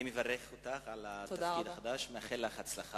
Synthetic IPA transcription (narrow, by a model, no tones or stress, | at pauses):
imevaɾeχot̪aχalat̪oakidaχad̪aʃmeaχelːaχat͡slaχa